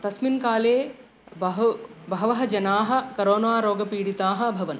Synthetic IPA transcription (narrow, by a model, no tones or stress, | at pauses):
t̪ɐsminkaːleː | ɦbɐɦɐʋɐɦɐd͡ʒɐnaːɦɐ̆kɐɾoːnaːɾoːɡɐpiːɽit̪aːɦɐ̆bʱɐʋɐn